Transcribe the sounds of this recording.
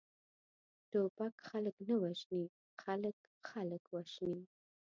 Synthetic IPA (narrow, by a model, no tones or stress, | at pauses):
t̪opakxaləknawaʒni | xalək | xaləkwaʒni